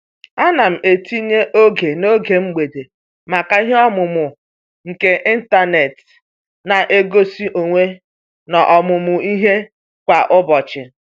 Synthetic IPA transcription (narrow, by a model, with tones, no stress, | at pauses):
a˦na˨m̩˨ʔe˨ti˦ɲe˦ʔo˦ɡe˨no˦ɡe˨ŋ͡m̩˦ɡ͡be˨de˨ | ma˨ka˨i˦ɦe˦ɔ˦mʊ˨mʊ˨ | ŋ̩˨ke˨ʔɪ˦n̩˦ta˦ne˨t | na˨ʔe˦ɡo˦si˦ʔo˨ŋʷe˦ | nɔ˨ʔɔ˨mʊ˨mʊ˨i˦ɦe˦ | kʷa˨ʔʊ˦bɔ˨t͡ʃɪ˨